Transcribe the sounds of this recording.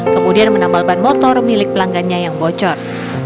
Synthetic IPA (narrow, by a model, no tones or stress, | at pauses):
kəmudianmənambalbanmɔt̪ɔrnilɪk̚pəlaŋɡanɲajaŋbot͡ʃɔr